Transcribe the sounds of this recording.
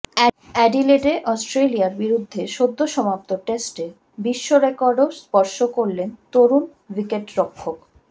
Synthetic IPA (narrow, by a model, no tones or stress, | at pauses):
ɛɖileɖeʔɔsʈɾelijaɾbiɾud̪ʱːeʃod̪ʱːoʃɔmap̚t̪oʈesʈe | biʃːoɾekɔɾɖoɾspɔɾʃokoɾlent̪oɾun | wikeʈɾokʰːok